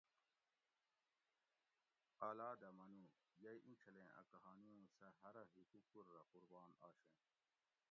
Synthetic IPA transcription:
aːlaːd̪ɐmɐnu | jɐjʔĩt͡ɕʰɐlẽːʔɐ̰kɐɦaːniũːsɐɦɐɾɐɦikukuɾːɐquɾbaːna̰ːɕẽ

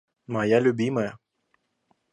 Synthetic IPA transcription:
mɐjalʲʊbʲimɐjɐ

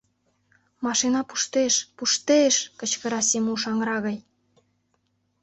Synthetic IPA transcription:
mɑʃinɑpu̥ʃt̪eʃpuʃt̪eʃkə̆t͡ɕkə̆ɾɑsemuʃɑŋɾɑɣɑj

